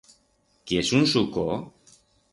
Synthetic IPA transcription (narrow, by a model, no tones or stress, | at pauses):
kiesunsuko